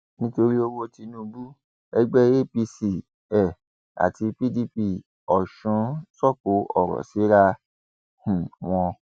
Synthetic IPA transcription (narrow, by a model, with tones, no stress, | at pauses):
nĩ˦to˧ɾi˦o˦˧wo˧ti˧nũ˦bu˦ | ɛ˦ɡ͡bɛ˦e˦˨pi˧si˨ | ɛ˨ | a̰˨ti˧pi˦˨di˧pi˧ | ɔ˨ʃũ˨˦sɔ˦˨ko˨˦ʔɔ˦˨ɾɔ̰˨si˨˦ɾa˧ | hũ˨w̃ɔ̃˧